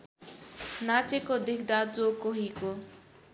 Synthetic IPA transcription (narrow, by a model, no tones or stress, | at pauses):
nat͡ʃekod̪ɪkʰd̪ad͡zokoɦiko